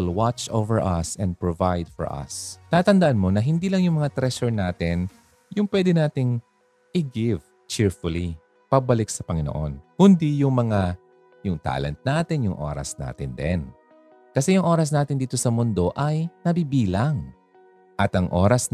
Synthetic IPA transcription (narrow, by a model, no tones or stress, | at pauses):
ɪlwat͡ʃowvɛɹʔɐ̰sɛ̃nd̪̚pɹovajd̪fɔ̰ɹʔɐ̰st̪aːt̪ɐnd̪ɐʔanmo̞nɐɦɪnd̪iːlɐŋjʊŋmɐŋat̪ɾɛʃɛɹnaːt̪ɪn | jʊŋpwɛːd̪ɛnaːt̪ɪŋ | ʔɪɡɪv | t͡ʃɪɹfʊli | pɐɡ̚bɐlɪk̚sɐpɐŋɪno̰ʔo̰nkʊnd̪ijʊŋmɐŋa | jʊŋt̪a̰ːlɛ̰nt̪̚naːt̪ɪnjʊŋʔo̰ːɾɐ̰sna̰ːt̪ɪnd̪ɛ̰n | kɐsɛjʊŋʔo̞ːɾɐs̬naːt̪ɪnd̪iːt̪o̞sɐmʊnd̪o̞ʔɐjnɐbibiːlɐŋ | ʔɐt̪ɐŋʔo̞̰ːɾɐs